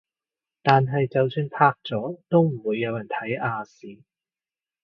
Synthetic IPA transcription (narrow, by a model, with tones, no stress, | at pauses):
t̪aː˨nɦɐ˨jt͡sɐ˨wsyː˧np̪ʰaː˧˥k̚t͡sɔː˨˥t̪o˥wm̩˨˩wuː˨˧jːɐ˨˧wjɐ˨˩nt̪ʰɐ˨˥jaː˧siː˨˥